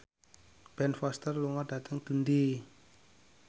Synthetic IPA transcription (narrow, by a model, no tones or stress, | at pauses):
b̥ɛnfast̪ərluŋada̤t̪əŋɡ̪̥əndi